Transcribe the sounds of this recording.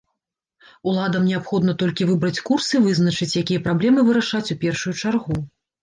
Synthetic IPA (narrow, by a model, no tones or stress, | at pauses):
ulˠad̪ɐmnʲɛapxɔd̪nɐt̪ɔlʲkʲivɨbɾɐt͡sʲkursɨvɨznɐt͡ʂɨt͡sʲjakʲijɐpɾablʲɛmɨvɨɾɐʂat͡sʲupʲɛrʂujut͡ʂarɣu